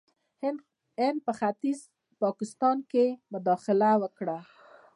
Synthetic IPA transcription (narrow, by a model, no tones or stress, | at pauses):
hɪnd̪̚pəxat̪iz | pɑkɪst̪ɑnkemʊd̪ɑxɪlawəkɽa